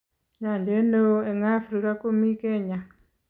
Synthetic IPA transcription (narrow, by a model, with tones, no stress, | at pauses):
ɲa˨nde˦no˦e˨ŋa˦fɾika˦ko˦mi˦ke˦ɲa˨